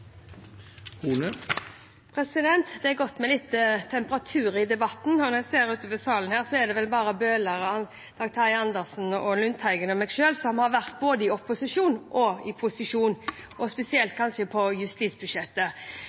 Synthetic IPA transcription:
huːnə | pʰʁɛsɪd̪ɛnt̪d̪ɛɛɡɔt̪ːmɛlɪt̪ːət̪ʰɛmpəɾʁɑt̪ʰʉːɾɪd̪ɛbɑt̪ːn̩ɔnɔæseːɾʉːt̪əpəsɑːlənhæːʁsɔɛd̪ɛʋɛlbɑːʁəbøːləʁɑn | d̪̥ɑkt̪ʰɑɪɑnd̪əʁsn̩ɔlʉnt̪ʰæɪɡənɔmɛɡʃøːlsɔmhɑɾʋæʁt̪̚boːd̪əɪɔpʊsɪʂuːnʔɔɪpʰʊsɪʂuːn | ʔɔspɛsɪɛlt̪̚kʰɑnʃəpʰɔjʉst̪iːt̪sbʉʂɛt̪ːə

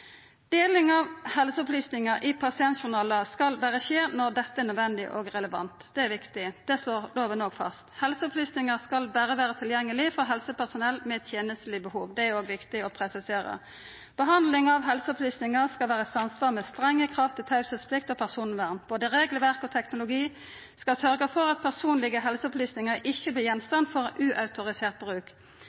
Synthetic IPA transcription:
d̪eːlɪŋɑʋhɛlsəɔplyːsnɪŋɑʔɪpʰɑsɪɛnt̪ʃʊnɑːləskɑlbæːʁəʃeːnɔʁd̪ɛt̪ːəɛʁnœd̪ʋɛnd̪ɪʔɔːɡʁɛləʋɑ̰nt̪d̪ɛæɾʋɪkt̪ɪd̪̥ɛsloːʁloːʋənoɡfɑ̰st̪hɛlsəɔpʰlyːsnɪŋəskɑlbæːɾəʋæːʁət̪ʰɪljɛŋːəlɪfɔʁɦɛlsəpæʁsʊnɛlːmɛt̪ʰjeːnəst̪əlɪbəhuːʋd̪ɛæɾoːɡʋɪkt̪ɪɔpʰʁɛsɪseːɾə̰ | b̥əɦɑnd̪lɪŋɑʋɦɛlsəɔplyːsnɪŋɑskɑlʋæːʁəsɑnsʋɑːmɛst̪ʁɛŋːəkʰʁɑft̪ɪt̪ʰɑʉsəspʰlɪk̚t̪ɔpʰæʁsuːnʋæʁmb̥oːd̪əɾeːɡləʋæʁkɔt̪ʰɛknʊlʊɡiː | skɑlsœɾɡəfɔɾɑt̪̚pʰæʁsuːnlɪɡəɦɛlsəɔplyːsnɪŋəɾʔɪçːəblɪjɛnst̪ɑnfɔʁʔʉːʔɑʉt̪ʊʁɪseːʁt̪̚bʁʉːk

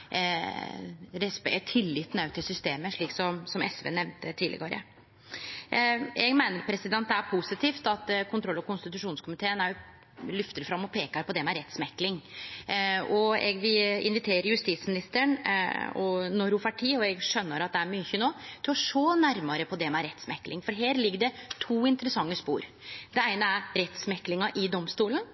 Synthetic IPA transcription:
ɾɛspɛt̪ʰɪlːɪt̪ːnɑʉt̪ʰɪsʏst̪eːməʂɭiːksɔmsɔmʔɛsʋḛːnɛʋnt̪ət̪ʰiːlɪ̰ɡɑɾə̰ | ɛɡmæɪnəɾpʰɾɛsɪd̪ɛnt̪̚d̪ɛæɾpʰusɪt̪ʰiːft̪ɑt̪kʰʊnt̪ɾɔlːɔkʊnst̪ɪt̪ʉʂuːnskʰʊmɪt̪ʰeːənæɾjʊ | lʏft̪əɾfɾɑmːɔpʰeːkəɾpʰɔd̪ɛmɛɾɛt̪smɛklɪŋ | ɔɛ̰ɡʋɪɪ̰nʋɪt̪ʰeːɾəɾjʉst̪it̪smɪnɪst̪əɳɔnɔɾʊfɑʈʰiːɔɛɡʂœnːəɾɑt̪̚d̪ɛæɾmyːçənoːt̪ʰɪlɔʂoːnæɾmɑɾəpʰɔd̪ɛmɛæɾɛt̪ːsmɛkːlɪ̰ŋfɔɾɦeːɾlɪɡːəɖɛt̪ʰuːɪnt̪əɾəsɑŋːəspṵːɾ | d̪̥ɛæɪnəæɾɾɛt̪smɛkːlɪŋɑʔɪd̪ɔmst̪uːlən

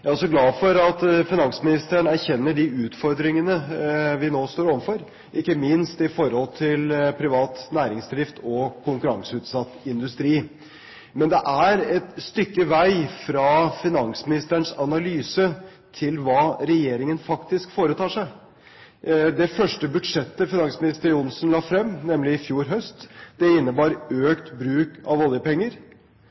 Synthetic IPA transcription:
jæɾɔs̬ɔɡlɑːfɔɾɑt̪fɪnɑŋsmɪnɪst̪əɳæɾçɛnːəɖɪʉːt̪fɔɾd̪ɾɪŋənəʋɪnoːst̪oːɾɔʋənfɔɾ | ʔɪkːəmɪnst̪ɪfɔɾhɔlt̪ʰɪlpʰɾɪʋɑːt̪næːɾɪŋsd̪ɾɪft̪ʰɔkʰʊŋkʉɾɑŋsəʉːt̪sɑt̪ːɪnd̪ʉst̪ɾiː | mɛnd̪ɛʔæɾɛt̪st̪ʏkːəʋæɪfɾɑːfɪnɑŋsmɪnɪst̪əɳsɑnɑlyːsə | t̪ʰɪlʋɑːɾɛjeːɾɪŋənfɑkt̪ɪskfoːɾət̪ʰɑːʂæɪ | d̪ɛfœʂʈəbʉd̪ʂɛt̪ːəfɪnɑŋsmɪnɪst̪əɾʊnsnlɑːfɾɛmːnɛmlɪɪfjuːɾɦœst̪d̪̥ɛɪnːəbɑːɾøːkt̪bɾʉːkɑʋɔljəpɛŋːəɾ

